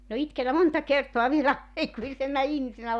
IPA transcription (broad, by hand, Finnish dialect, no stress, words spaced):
min o itkenæ montɑ kertoɑ ʋielæ ɑikuisenːɑ ihmisenæ